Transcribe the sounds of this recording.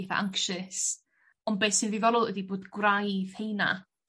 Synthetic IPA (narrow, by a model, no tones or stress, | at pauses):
θa̰ʔa̰ŋkʃɨs | ɔnbeːsɪnðivɔɾʊðˠɛdiboːdɡwrajð̥hejna̰